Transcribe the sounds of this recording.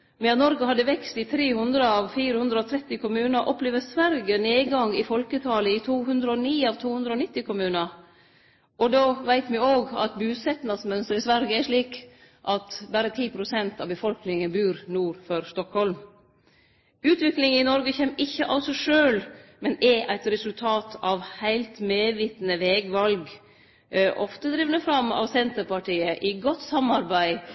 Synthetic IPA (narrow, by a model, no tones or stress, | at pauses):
mɛɑt̪nɔɾɡəhɑd̪ːəʋɛkst̪ɪt̪ʰɾeːhʉnd̪ɾəɑʋfiːɾəhʉnd̪ɾəɔt̪ʰɾɛt̪ːɪkʊmʉːnəʔɔpleːʋəsʋæɾɡəneːɡɑŋɪfɔlkət̪ʰɑːləɪt̪ʰuːɦʉnd̪ɾəɔniːɑːʋt̪ʰuːhʉnd̪ɾəɔnɪt̪ːɪkʰʊmʉːnə | ɔd̪oːʋæɪt̪mɪoːɡɑ̰t̪bʉːsɛt̪nɑsmœnst̪əɾɪsʋæɾɡəæʂɭiːk | ʔɑt̪bæɾət̪ʰiːpʰɾʊsɛnt̪ɑʋbəfɔlknɪŋənbʉːɾnuːɾfɔɾst̪ɔkhɔlm | ʉːt̪ʋɪklɪŋɪnɔɾɡəçɛmːɪçːəʔɑlsɔʂøːlmɛnɛʔæɪt̪ɾɛsʉlt̪ʰɑːt̪ʰɑʋhæɪlt̪meːʋiːt̪n̩əʋɛːɡʋɑlɡ | ʔɔft̪əd̪ɾɪʋnəfɾɑmːɑ̰ʋsɛnt̪əɾpɑʈiːəʔɪɡɔt̪sɑmɑɾbæɪ